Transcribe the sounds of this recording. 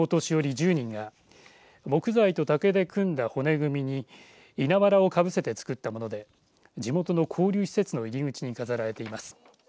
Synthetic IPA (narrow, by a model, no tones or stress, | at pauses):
ot̪o̞ɕijo̞ɾʲid͡ʑɨːɲ̟ĩŋɡa | mo̞kɯ̟zait̪o̞t̪ake̞d̪e̞kɯ̟̃nd̪aho̞ne̞ɡɯ̟mʲiɲ̟i | inaβaɾao̞kabɯ̟se̞t̪e̞t͡sɨ̥kɯ̟t̪ːamo̞no̞d̪e̞ | d͡ʑimo̞t̪o̞no̞kʰo̞ːɾʲɨːçi̥se̞t͡sɨno̞iɾʲiŋɯ̟t͡ɕiɲ̟ikazaɾaɾe̞t̪e̞imasɨ̥